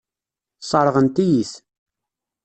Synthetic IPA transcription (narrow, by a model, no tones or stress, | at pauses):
sˤɑɾˤʁənt̪ijiθ